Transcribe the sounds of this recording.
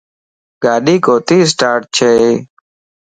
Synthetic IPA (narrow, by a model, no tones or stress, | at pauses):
ɡaːɗiːkoːt̪iːs̬ʈaːʈ̚t͡ʃʰeː